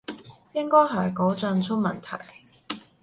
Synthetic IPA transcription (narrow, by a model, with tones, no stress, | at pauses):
jɪ˥ŋkɔː˥jɦɐ˨˩jkɔː˨˥t͡sɐ˧nt͡sʰʊ˥k̚mɐ̰˨˩nt̪ʰɐ̰˨˩j